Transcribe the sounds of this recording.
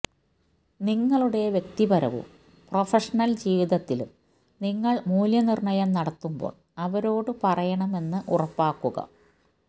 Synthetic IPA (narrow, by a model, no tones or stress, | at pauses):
niŋːɐɭuɽe̞ʋjek̚t̪ibɐɾɐ̰ʋṵ | profɐʂɐnɐld͡ʑiːʋiðɐt̪ːilṵm | niŋːɐɭmuːljɐnirɳɐjɐmnɐɽɐt̪ːumbo̰ːɭ | ɐʋɐɾo̞ːɽɨpɐrɐjɐɳɐme̞nːɨʔṵrɐpːaːkːuɣɐ̰